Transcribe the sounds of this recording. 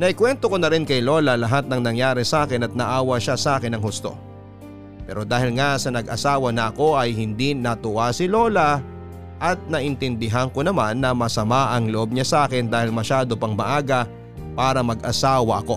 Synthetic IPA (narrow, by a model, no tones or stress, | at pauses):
nɐʔɪkwɛnt̪oko̞nɐɾɪnkɐjlo̞lɐlɐɦat̪̚nɐŋnɐŋjaːɾɛsɐʔaːkɪnɐt̪̚nɐʔaːwɐʃasɐʔaːkɪnɐŋɦʊst̪o̞̰ | pɛ̰ːɾo̞d̪aːhɪlŋasɐnɐɡɐsaːwɐnɐɐko̞ʔɐjhɪnd̪inɐt̪ʊʔasɪlo̞ːlɐ | ʔɐt̪̚nɐʔɪnt̪ɪnd̪ɪɦaŋko̞nɐmanːɐmɐsɐmaʔɐŋloʔo̞b̚ɲasɐʔaːkɪnd̪aːhɪlmɐʃaːd̪o̞pɐŋmɐʔaːɡɐ | paːɾɐmɐɡʔɐsaːwɐʔɐko̞